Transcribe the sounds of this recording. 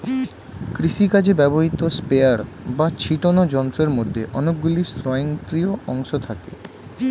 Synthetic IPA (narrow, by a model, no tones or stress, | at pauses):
kɾiʃikad͡ʑebɛboɦit̪ospeaɾ | bat͡ɕʰiʈonod͡ʑɔnt̪ɾeɾmod̪ʱːeʔɔnok̚ɡulist̪ɾɔeeŋt̪ɾioɔŋʃot̪ʰakḛ